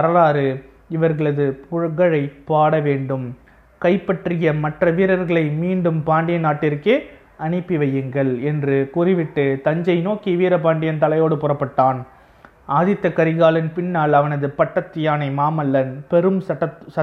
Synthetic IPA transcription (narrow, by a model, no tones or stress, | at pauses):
ɐɾɐlaːɾɯ | ɪʋɐɾɣɐɭɐðɯpʊɻɣɐɻɐɪpːaːɽɐʋeːɳɖɯm | kɐɪpːɐʈrɪjɐmɐʈrɐʋiːɾɐɾɣɐɭɐɪmiːɳɖɯmpaːɳɖɪjɐnaːʈːɪɾkɯ | ɐnɪpːiʋɐjɯŋɡɐɭɛndrɯkʊrɪʋɪʈːɯt̪ɐɲd͡ʒɐɪnoːkiʋiːɾɐpaːɳɖɪjɐnt̪ɐlɐjoːɽɯpʊrɐpːɐʈːaːn | aːðɪt̪ːɐkːɐɾɪɣaːlɪnpɪnːaːɭɐʋɐnɐðɯpɐʈːɐt̪ːɪjaːnɐɪmaːmɐlːɐnpɛɾɯmɐɐsɐ